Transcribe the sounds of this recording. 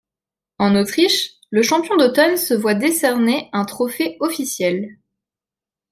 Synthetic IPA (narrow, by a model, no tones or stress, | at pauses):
ɑ̃not̪χiʃ | ləʃɑ̃pjɔ̃d̪ot̪ɔnsəvwad̪esɛʁneɛ̃t̪χɔfeɔfisjɛl